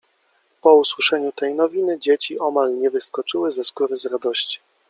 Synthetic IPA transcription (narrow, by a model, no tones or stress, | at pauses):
pɔuswɘʂɛɲut̪ɛjnɔvʲinɘd͡ʑet͡ɕiʔɔmalɲɛvɘskɔt͡ʂɘwɘzɛskuɾɘzɾad̪ɔɕt͡ɕi̥